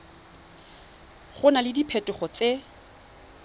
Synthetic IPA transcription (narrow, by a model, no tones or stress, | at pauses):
χʊnalɪdipʰɛtʼʊχɔt͡se